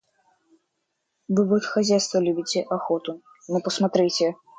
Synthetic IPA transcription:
vɨvɔt̪xazʲæjst̪vəlʲubʲɪtʲɛʔaxɔt̪ʊ | nɔpəsmat̪ɾɨtʲɛ

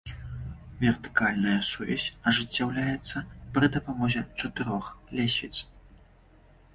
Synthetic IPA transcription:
vʲɛrt̪ɨ̥kalʲnɐjɐsuvʲa̰sʲɐʐɨt͡sʲːawlʲajɛt̪sːɐpɾɨd̪ɐpamɔzʲɛt͡ʂɐt̪ɨɾɔxlʲɛsʲvʲḭt̪s

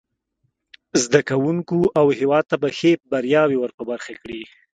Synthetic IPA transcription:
zd̪akawuŋkuʔawhewɑd̪̚t̪abaxep̚baɾjɑwewəɾpəbaɾxakɽi

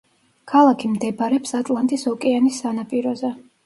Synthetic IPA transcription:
kʰalˠakʰimd̪ɛbaɾɛpsat̪ʼlˠant̪ʼisɔkʼɛanisːanapʼiɾɔzɛ

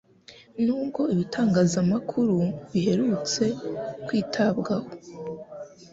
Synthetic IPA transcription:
nuːb̚ɡo̞iβitʰaːŋɡaːzamakʰuɾuβihe̞ɾut͡se̞kwiːtʰabɡaho̞

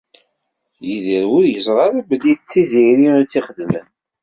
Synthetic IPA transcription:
jiðəɾwʊɾjəzˤʁˤɑɾæblːidt͡sːiziɾit͡sːiχəd̪mən

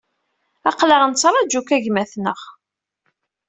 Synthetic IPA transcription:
ɑqləʁənt͡sːɾˤɑd͡ʒukæʝmæθnəʁ

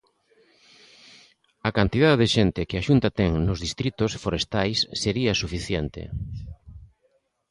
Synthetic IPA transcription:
akant̪iðaðeðeʃent̪ɪkɪaʃunt̪at̪ɛŋnozðist̪ɾit̪osfoɾest̪ajsːeɾiasufiθjent̪ḛ

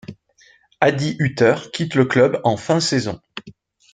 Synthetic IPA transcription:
ad̪iʔyt̪œʁkʲʰit̪ləklœbɑ̃fɛ̃sezɔ̰̃

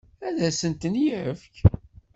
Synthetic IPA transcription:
æðæsənt̪ənjʕəfk

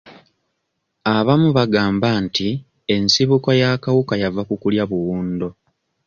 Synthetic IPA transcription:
aβamuβaɡaːmbanti | e̞nsiβukojakawukajavakukuljaβuwuːndo̞

